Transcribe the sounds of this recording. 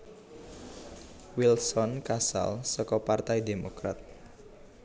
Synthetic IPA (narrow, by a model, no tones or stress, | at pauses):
wilsɔnkasa̰lsɔkɔpart̪ajdemokɾa̰t̪̚